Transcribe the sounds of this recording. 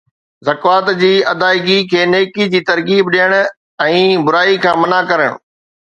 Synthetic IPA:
zɐkʋaːt̪d͡ʑiːɐd̪aːɪɡikʰeːneːkid͡ʑiːt̪ɐɾkiːbɗijəɽ̃ | ɛ̃ːbʊɾaːikʰãːmɐnakɐɾəɽ̃ʊ̰

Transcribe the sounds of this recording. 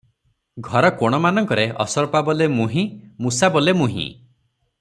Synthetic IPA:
ɡʱɔɾɔkɔɽ̃ɔmanɔŋkɔɾeʔɔ̰sɔɾpabɔlemuɦĩmusabɔlemuɦḭ̃

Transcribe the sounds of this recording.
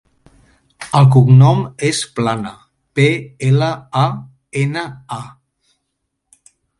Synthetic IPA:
əlˠk̬uɡnɔmesplanə̰ | peeləa | enəa

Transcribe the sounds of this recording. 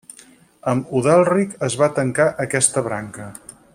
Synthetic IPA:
əmuðɛlˠrikəzβat̪əŋkaʔəkɛst̪əβɾa̰ŋkə

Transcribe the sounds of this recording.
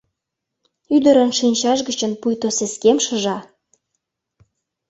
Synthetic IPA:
yd̪ə̆ɾə̆nʃinʲt͡ɕɑʒɡət͡ɕə̆npujt̪oseskemʃə̆ʒɑ

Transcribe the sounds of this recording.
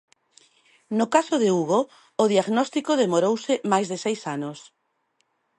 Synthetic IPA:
nʊkasʊðɪuɣoː | ðiaɣnɔst̪ikoðemoɾowsɪmajzðɪsejsanʊs

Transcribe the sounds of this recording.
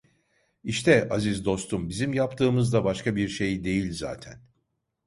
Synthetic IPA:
iʃt̪ʰɛazizd̪o̞st̪umbizimjapt̪ʰɯːmɯzd̪abaʃkabiɾʃe̞jd̪e̞jilʲza̰ːt̪ʰæn

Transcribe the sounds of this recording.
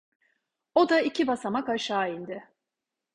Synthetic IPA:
o̞d̪aicʰibasamakaʃaːind̪ɪ

